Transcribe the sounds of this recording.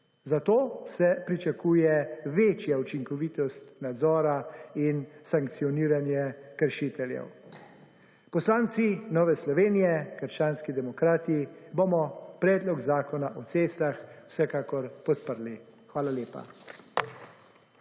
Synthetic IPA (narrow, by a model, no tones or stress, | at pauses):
zat̪oːsɛpɾit͡ʃakuːjɛʋeːt͡ʃjaut͡ʃiŋkɔʋit̪ɔst̪nad̪zɔːɾainsaŋkt̪sijɔniːɾanjɛkəɾʃit̪ɛljɛ̰w | pɔslaːnt̪sinɔːʋɛslɔʋeːnijɛkəɾʃt͡ʃaːnskid̪ɛmɔkɾaːt̪iːbomɔpɾɛːd̪lɔkzaːkɔnaʔɔt̪seːstlaxwsɛkaːkɔɾpɔt̪pəɾli | xʋaːlaljeːpa̰